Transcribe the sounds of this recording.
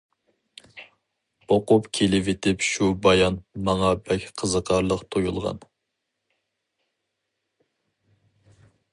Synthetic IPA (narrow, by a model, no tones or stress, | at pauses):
oqʊpkʲʰelɪvet̪ʰɪpʃubɑjɑnmɑŋɑbɛkʲqʰəzəqʰɑɾlˠəqt̪ʰojulˠʁɑ̰n